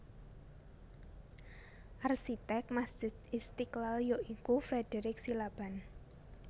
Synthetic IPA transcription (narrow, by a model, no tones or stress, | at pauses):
ʔarʃit̪ɛk̚masd͡ʒ̥ɪt̪ɪst̪iklaljoʔikufɾɛd̥eɾɪksilab̥an